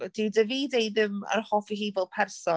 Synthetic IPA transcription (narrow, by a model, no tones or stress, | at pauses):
d̥idəviːdejðɪmə̰ɾhɔːfiɦivɔlˠpʰɛrsɔ